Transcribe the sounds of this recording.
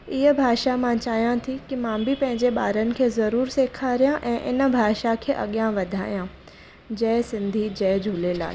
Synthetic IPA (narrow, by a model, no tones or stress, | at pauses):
ɪɦəbʱaːʃamãt͡ɕaːɦjãt̪ʰikimãːbʱɪpɐ̃ɦɪ̃ɲd͡ʑeɓaːɾənɪ̆kʰeːzɐɾuːɾseːkʰaɾijãʔɛ̃ːʔɪnə̆bʱaːʃakʰeːʔɐ̰ɠijãʋɐd̪ʱaːijã | d͡ʑɐːsɪ̃nd̪ʱid͡ʑɐːd͡ʑʱulela̰ːl